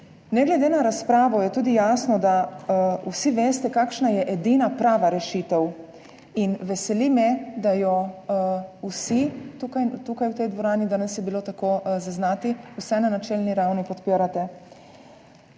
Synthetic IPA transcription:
nɛɡlɛd̪enaɾaspɾaːʋɔjɛt̪uːd̪ijaːsnɔd̪ausiʋeːst̪ɛkakʃnajɛʔed̪inapɾaːʋaɾɛʃit̪ɛw | inʋɛsɛlimɛd̪ajɔ | usit̪ukajt̪ukajwt̪ɛjd̪ʋɔɾaːnid̪aːnɛsjɛbilot̪akozaznaːt̪iusɛnanat͡ʃɛlniɾawnipɔt̪piːɾat̪ɛ

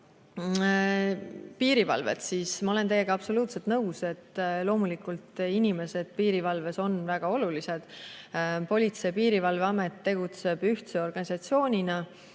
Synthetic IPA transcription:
piːɾivɑ̰lvḛt̪siːsmɑo̞le̞nt̪e̞jːe̞ɡ̥ɑɑpso̞luːt̪set̪nɤwse̞t̪ːlo̞ːmulikˑult̪inʲime̞se̞d̪̥̚piːɾivɑlve̞so̞nvæɡ̥ɑo̞lulise̞d̪̥ | po̞lʲit̪se̞jpiːɾivɑlveɑmet̪ːe̞ɡ̥ut̪se̞b̥yht̪seo̞rɡ̥ɑnʲisɑt̪sio̞ːnʲinɑ

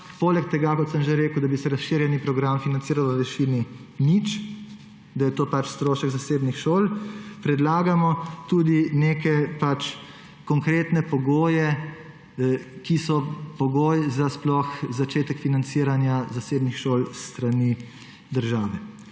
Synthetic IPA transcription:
poːlɛkt̪ɛɡakɔt̪səmʒeɾeːkəwd̪abisɛɾasʃiːɾjɛnipɾɔɡɾamfinant̪siːɾawʋəʋɛʃini | nit͡ʃ | d̪ajɛt̪oːpat͡ʃst̪ɾoːʃəɡzaseːbnixʃoːlpɾɛd̪laːɡamɔt̪uːd̪ineːkɛpat͡ʃ | kɔŋkɾeːt̪nɛpɔɡoːjɛ | kisɔpɔɡoːjzasplɔxzat͡ʃeːt̪ɛkfinant̪siɾanjazaseːbnixʃoːlst̪ɾani | d̪əɾʒaːʋɛ

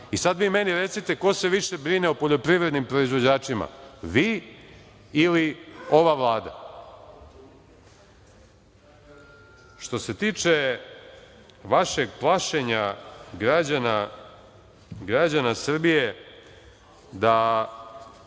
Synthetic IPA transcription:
isad̪ʋiːmeniɾet̪sit̪e̞ko̞se̞ʋiʃe̞bɾineopoʎo̞pɾiʋɾed̪nimpɾo̞izʋo̞d͡ʑaːt͡ʃima̰ʋiː | ilio̞ʋaʋlˠaːd̪a̰ | ʃt̪o̞se̞t̪iːt͡ʃe | ʋaʃeɡplˠaʃe̞ɲaɡɾad͡ʑana | ɡɾad͡ʑanasr̩bije | d̪a

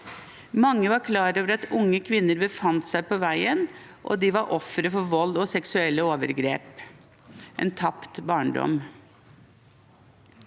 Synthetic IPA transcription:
mɑŋːəʋɑɾkʰlɑːɾoːʋəɾɑt̪ʊŋːəkʰʋɪnːəɾbəfɑnt̪sæɪpoːʋæɪən | ʔɔ̰d̪iːʋɑɾʔɔfɾəfɔʋɔld̪ɔsɛksʉɛlːəoːʋəɾɡɾḛːp | ʔḛːnt̪ʰɑpt̪bɑːɳɖɔ̰m

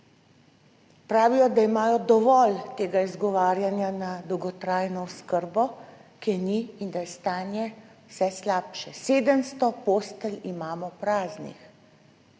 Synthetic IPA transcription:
pɾaːʋijɔd̪aimaːjɔd̪ɔʋɔlt̪eːɡaizɡɔʋaːɾjanjanad̪ɔwɡɔt̪ɾaːjnɔɔskəɾbɔkɛniind̪ajɛst̪aːnjɛ | wsɛslaːpʃɛseːd̪əmst̪ɔpoːst̪əlimaːmɔpɾaːznḭx

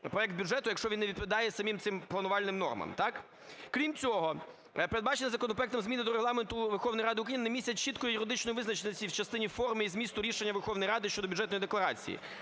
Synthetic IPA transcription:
pɾɔɛk̚d̪bʲʊʐɛt̪ʊjɐkʃt͡ʃɔʋʲinːeʋʲit̪pɔʋʲd̪ɑjɛsɐmʲimt̪sɪmplˠɐnʊʋɑlʲnɪmnɔ̰rmɐ̰mt̪ɑk | kɾʲimt͡sʲɔɦɔ | peɾed̪̚bɑt͡ʃenʲɐzɐkɔnɔp̬ɾɔɛkt̪ɔmzmʲinɪd̪ɔɾelˠɑment̪ʊʋerxɔwnɔjɾɑd̪ɪʊkɾɐjinnemʲisʲɐtʲt͡ʃit̪kɔjʊijʊɾɪd̪ɪt͡ʃnɔjʊʋɪznɐt͡ʃenʲɐsʲiwt͡ʃɐst̪ɪnʲifɔrmɪizmʲist̪ʊɾʲiʃenʲːɐʋerxɔwnɔjɾɑd̪ɪʃt͡ʃɔd̪ɔbʲʊd͡ʒɛt̪nɔjid̪eklˠɐɾɑ̰t͡sʲḭjḭ

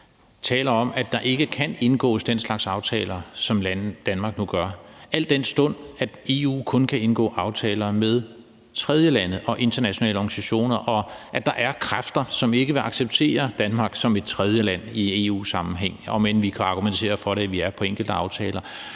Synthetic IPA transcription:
t͡sʰɛ̰ːlɐɒ̽m̰æd̥ɑ̈ʔe̝ɡ̥əkʰæne̝nɡ̥ɔ̰ːsd̥enslɑ̈ɡ̥sɑ̈ʊt͡sʰɛ̰ːlɐsɒ̽mlænd̥ænmɑ̈ɡ̥nuɡ̥ɶɐʔæl̰d̥ːen̰sd̥ɔ̽n̰æd̥e̝ṵːkʰɔ̽nkʰæe̝nɡ̥ɔ̰̽ːʔɑ̈ʊt͡sʰɛːlɐmeðˠ | t͡sʰʁɛð̞ˠjəlænð̩ˠʔɒ̽ʔe̝nd̥ɐnæɕo̝nɛ̰ːləɒɡ̥nisæɕo̝̰ːnɐʔɒ̽ʔæd̥ɑ̈ʔæɐkʰʁafd̥ɐsɒ̽me̝ɡ̥əʋe̝ɑ̈ɡ̥seb̥̚t͡sʰe̝̰ːɐd̥ænmɑ̈ɡ̥sɒ̽me̝d̥̚t͡sʰʁɛð̞ˠjəlæn̰ie̝ṵːsɑ̈mm̩ɦeŋ̰ɒ̽menʋikʰæɑ̈ɡ̥ument͡sʰe̝̰ːɐfɒ̽ɾeæʋiæɐpʰɒ̽eŋ̰ɡ̥l̩d̥əɑ̈ʊt͡sʰɛːlɐ

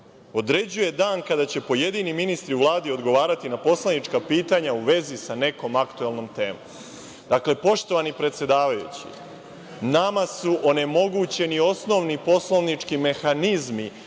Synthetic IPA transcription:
o̞d̪ɾe̞d͡ʑuje̞d̪aːnkad̪at͡ɕe̞po̞je̞d̪iːniminist̪ɾiuʋlˠaːd̪io̞d̪ɡo̞ʋaːɾat̪inapo̞slˠanit͡ʃkapiːt̪aɲauʋe̞zisane̞ko̞makt̪uelˠno̞mt̪e̞ːmom | d̪̥akle̞po̞ʃt̪o̞ʋanipɾe̞t̪sje̞d̪aːʋajṵt͡ɕḭ | namasuʔo̞ne̞mo̞ɡut͡ɕe̞nio̞sno̞ʋnipo̞slo̞ʋnit͡ʂkime̞xanizmi

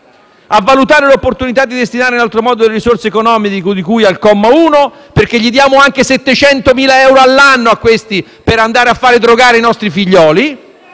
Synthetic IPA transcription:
avːalut̪aːɾelopːort̪unit̪ad̪ːid̪est̪inaːɾeinalt̪ɾomɔːd̪od̪elːeɾisorseekonɔːmid̪kod̪ikujalkɔmːauːno | perk̟eʎːid̪jaːmoaŋk̟esɛt̪ːet͡ʃɛnt̪omiːlaɛwɾoalːanːoakːwest̪i | peɾand̪aːɾeafːaːɾed̪ɾoɡaːɾeinɔst̪ɾifiʎːɔːli

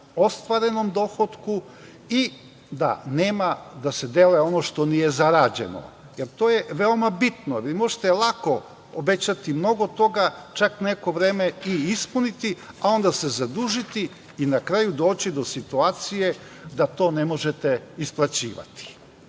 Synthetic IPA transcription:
o̞st̪ʋaɾe̞nomd̪o̞xot̪ku | i | d̪a̰neːmad̪ased̪eleo̞noʃt̪o̞nije̞zaɾad͡ʑe̞̰no̰ | jeɾt̪o̞ːjeʋeomabit̪noɾimo̞ʒe̥t̪elˠako̞ | obe̞t͡ɕat̪imno̞ɡot̪o̞ɡat͡ʃakne̞ko̞ʋɾe̞ːmeiispunit̪i | ao̞nd̪ase̞zad̪uʒit̪i | inakɾajud̪oːt͡ɕid̪o̞sit̪uaːt̪sije̞ | d̪at̪o̞ːne̞mo̞ʒet̪eisplˠat͡ɕḭːʋa̰t̪i̥

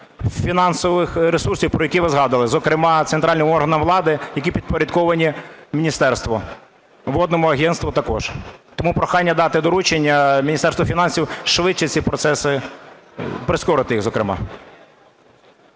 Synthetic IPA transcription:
fʲinɑnsɔʋɪxɾesursʲiwpɾɔjɐkʲiʋɪzɦɑd̪ɐlˠɪzɔkɾɪmɑt̪sent̪ɾʔɑlʲnɪmɔrɦɐnɐmʋlˠɑd̪ɪjɐkʲipʲid̪̚pɔɾʲɐd̪kɔʋɐnʲimʲinʲist̪ɛrst̪ʋɔ | ʋɔd̪nɔmʊɐɦʲɛnst̪ʋʊt̪ɐkɔʒ̥t̪ɔmupɾɔxɑnʲːɐd̪ɑt̪ɪd̪ɔɾut͡ʃenʲːɐmʲinʲist̪ɛrst̪ʋɔfʲinɑnsʲiwʃʋɪt͡ʃːɪt͡sʲipɾɔt̪sɛsɪ | pɾɪskɔɾɪt̪ɪjiɣzɔkɾɪmɑ̰

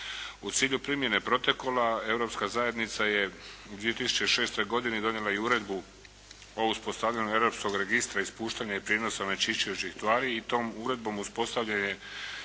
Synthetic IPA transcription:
ut̪siːʎupɾimje̞ne̞pɾo̞t̪o̞ko̞lae̞vɾo̞pskazaje̞d̪nit̪saje̞ud̪ʋie̞t̪isu̥t͡ɕe̞ʃeːst̪o̞jɡo̞d̪ined̪o̞njelaiuɾe̞d̪bu | ouspo̞st̪avʎaɲue̞vɾo̞psko̞ɡɾe̞ɡist̪ɾaispuːʃt̪aɲaipɾjedno̞samet͡ʃit͡ʃiot͡ɕixt̪ʋaːɾiːt̪o̞ːmuɾe̞d̪̚bo̞muspo̞st̪aʋʎaɲe̞

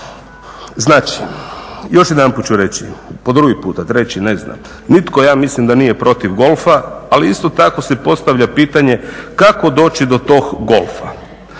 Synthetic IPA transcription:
znaːt͡ʃi̥ | jo̞ʃjed̪anpuːt̪̚t͡ʃuɾe̞t͡ɕḭpo̞d̪ɾuɡipuːt̪at̪ɾet͡ɕine̞zna̰m | nit̪ko̞jaːmislimd̪aniːje̞pɾo̞t̪iʋɡo̞lˠfaaliist̪o̞t̪ako̞sepo̞t̪st̪aʋʎʲapiːt̪aɲekako̞d̪o̞ːt͡ʃid̪o̞t̪o̞ːɡɡo̞lˠfa

